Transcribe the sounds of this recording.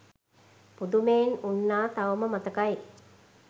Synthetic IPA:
pud̪umeːnunːaːt̪aʋəməmat̪əkaj

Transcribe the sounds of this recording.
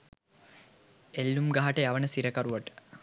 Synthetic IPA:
elːumɡaɦaʈəjaʋənəsiɾəkaɾuʋaʈə̥

